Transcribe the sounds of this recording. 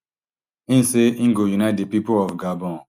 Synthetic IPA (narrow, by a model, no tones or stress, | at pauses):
ĩnseĩŋɡojunaɪt̚depipolɔfɡabɔ̃n